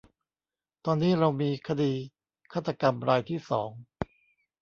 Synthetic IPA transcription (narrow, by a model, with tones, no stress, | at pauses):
t̪ɔː˧nːiː˦˥ɾa˧wmiː˧kʰa˧diː˧ | kʰaː˥˩t̪ʰːa˧ka˧mɾaː˧jt̪ʰiː˥˩sɔː˩˦ŋ